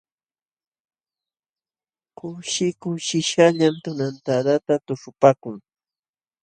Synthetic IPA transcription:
kʊʃɪkʊʃɪʃaʎamt̪ʊnant̪aɾat̪at̪ʊʂʊpaːkʊŋ

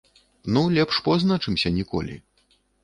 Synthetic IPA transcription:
nulʲɛpʂpɔznat͡ʂɨmsʲɐnʲikɔ̰lʲḭ

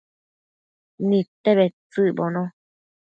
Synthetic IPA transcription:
nĩt̪eβet͡sɨbonõ

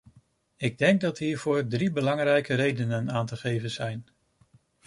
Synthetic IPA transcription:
ɪɡ̚dɛŋkɡ̚dɑtɦiːɹv̥ʊːɹdribəlɑŋrɛjkərejdənənaːntəχejvənz̥ɛjn

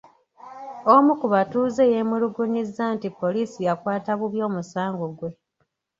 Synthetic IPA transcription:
omukuβatuːze̞jemuluɡuɲizːantipːo̞liːsijakwaːtaβuβjo̞ːmusaːŋɡoɡwe̞

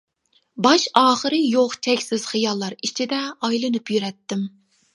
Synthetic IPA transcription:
bɑʃɑːχəɾɨjoqt͡ʃʰɛkʲsɪz̥χɨjɑlˠːɑɾit͡ʃʰid̪ɛɑjlˠɨnɨpʰjyɾɛt̪ːɪm

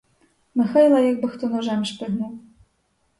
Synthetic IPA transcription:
mɪxɑjlˠɐjɑk̚bɪxt̪ɔnɔʒɛmʃpɪɦnuw

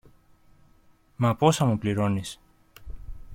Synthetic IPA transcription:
mɐpo̞sɐmupliɾo̞nis

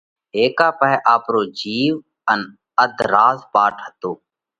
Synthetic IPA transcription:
ɦeːkaːpəɦɛʔaːpɾoːd͡ʒiːʋ | ən | əd̪ʱɾaːzpaːʈʰɦət̪oː

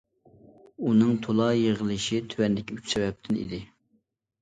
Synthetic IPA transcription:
unɨŋt̪ʰolˠɑjeʁəlˠɨʃit̪ʰywɛnd̪ɪkʲiyt͡ʃsɛvɛp̚t̪ʰɪnḭd̪ɪ

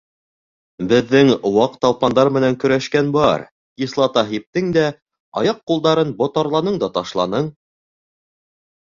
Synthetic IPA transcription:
bɘ̆ðːɘŋwɑqt̪ɑlˠpɑnd̪ɑɾmɘ̆næŋkɵ̆ɾæʃkænbɑɾ | kislˠɑt̪ɑɦip̚t̪ɘŋd̪æ | ɑ̰jɑqːulˠd̪ɑɾɤnbŏt̪ɑɾlˠɑnɤɴd̪ɑt̪ɑʃlˠɑ̰nɤɴ

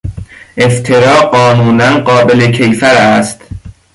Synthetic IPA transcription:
ʔeft̪ʰeɾɒːɢɒːnuːnænɢɒːbelecʰejfæɾæst̪

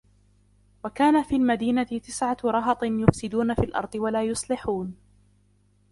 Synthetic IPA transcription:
wakaːnafiːlmad̪iːnat̪ɪt̪ɪsʕaɾˤɑɦɑt̪ˤɨjʊfsɪd̪uːnafiːlʔɑ̰ɾˤd̪ˤɨwalaːjʊsˤlɪħuːn

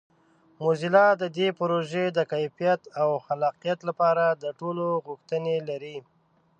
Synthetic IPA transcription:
mozilɑd̪əd̪epɾoʒed̪əkajfijat̪awxalɑqijat̪lapɑɾad̪əʈoloɣʊxt̪ənelaɾi

